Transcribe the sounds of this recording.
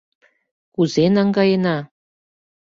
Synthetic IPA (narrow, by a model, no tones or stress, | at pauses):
kuzenɑŋɡɑjenɑ